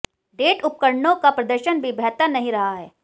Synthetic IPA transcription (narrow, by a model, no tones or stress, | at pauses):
ɖeːʈʊp̚kəɾnõkapɾɐd̪əɾʃənbʱibʱɛːt̪ənɐɦĩɾɐɦaɦɛː